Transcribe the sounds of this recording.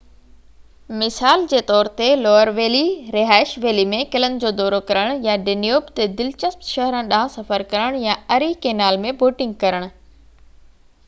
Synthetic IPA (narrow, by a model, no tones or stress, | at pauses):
mɪsaːld͡ʑeːt̪ɔːɾt̪elɔːəɾʋeːliɾɪɦaːɪʃʋeːlimẽkɪlənd͡ʑoːd̪ɔːɾokɐɾəɽ̃jaɖenijoːbt̪ed̪ɪlt͡ɕəst̪ʃɐɦɾə̃ɗaːɦə̃sɐfəɾkɐɾəɽ̃jaɐɾikeːnaːlmẽboːʈɪ̃ŋɡ̚kɐɾəɽ̃ʊ̆